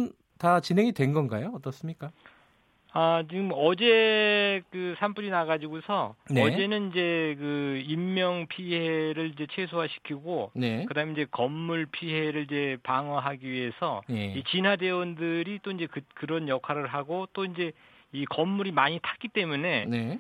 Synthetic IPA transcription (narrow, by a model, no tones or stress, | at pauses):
n | tat͡ɕinɦe̞ŋidwe̞nɡʌnɡajoʌt͈ʌs͈ɯmɲik͈a | at͡ɕiɡɯmʌd͡ʑe̞kɯsʰampuɾinaɣad͡ʑiɡosʰʌnʌd͡ʑe̞nɯnid͡ʑe̞kɯimːjʌŋpʰiɦe̞ɾɯɭid͡ʑe̞t͡ɕʰe̞sʰoɦaɕʰi̥kʰiɡonekɯdaɦɯmeiɲd͡ʑe̞kʌmːuɭpʰiɦe̞ɾɯɭid͡ʑe̞paŋʌɦaɡiɥiɦe̞sʰʌ̰it͡ɕinwade̞ʌndɯɾit͈oind͡ʑe̞kɯkɯɾʌnjʌkʰaɾɯɭɦaɡot͈oind͡ʑe̞ | ikʌmːuɾimaɲitʰḁk͈it͈e̞mune̞ne